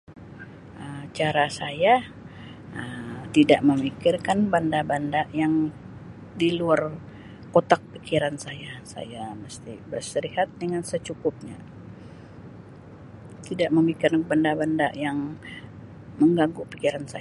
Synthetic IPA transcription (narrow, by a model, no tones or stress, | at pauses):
ʔəmt͡ʃaɾasaja | ət̪idaʔməmikɪrkanbandabandaʔjaŋ | diluar | kot̪ak̚pikiɾansajasa̰jaməst̪ḭbərsəɾihat̪̚dəŋansət͡ʃukʊp̚ɲa̰ | t̪idaʔməmikɪrbandabandaʔjaŋ | məŋɡaŋɡupikiɾansa